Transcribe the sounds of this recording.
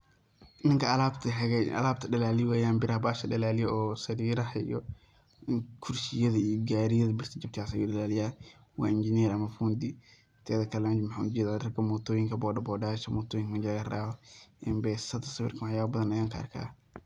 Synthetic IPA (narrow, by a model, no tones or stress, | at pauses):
nɪŋkʰɐɐlaːbt̪ʰɐɛɡɛʔɐ̰laːbt̪ʰɐɖɐlaːlɪwaːjaːnbɪɾɐhɐbaːʃɐdɐlaːlɪjɔɔːsɐɾiːɾɐhɐḭjɔ | kʰʊrsɪjɐðɐiɡaːɾɪjɐðɐbɪrt̪ʰɐd͡ʒɐt̪ʰaːsɐjuːɗɐlaːlɪjaː | wɑ̰ːɪnd͡ʒɪniːɾɐmɐfuːnd̪i | t̪ʰɛːðɐkʰɐland͡ʒmɐħaːud͡ʒɛːðaːrɐkʰɐmɔt̪ʰɔːjɪŋkʰɐbɔːɖɐbɔːɖaːʃɐmɔːt̪ʰɔːjɪŋkmɐd͡ʒaɣɐraːwɐʔɪmbɛːsɐt̪ʰɐsɐwɪ̰rkʰɐmɐħjaːɐbɐðɐnɐjaːŋkʰa̰ːrkʰa̰ː